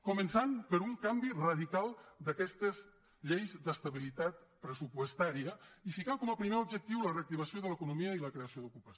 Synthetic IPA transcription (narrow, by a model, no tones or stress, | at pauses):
kumənsampəɾuŋkambirɐðikalˠd̪əkɛst̪əz | ʎejzd̪əst̪ɐβilit̪at̪̚pɾəsupwəst̪aɾiəifikaŋkɔməpɾimeɾubʒək̚t̪iwləreək̚t̪iβasjoðələkunumiəiləkɾeɐsioðukupas